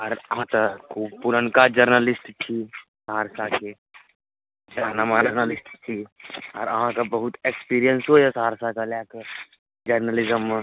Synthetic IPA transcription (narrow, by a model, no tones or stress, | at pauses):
ɔːɾəɦãt̪əkʰuːbpuɾənkad͡ʒəɾnəlɪsʈt͡ʃʰi | sɦaɾsake | d͡ʒaːnamad͡ʒəɾnəlɪsʈt͡ʃ̪ʰiɔ̰ːɾəɦãkabəɦʊt̪ekspiːɾijənsɦojɛsaɦaɾsakalake | d͡ʒəɾnəlɪzəmː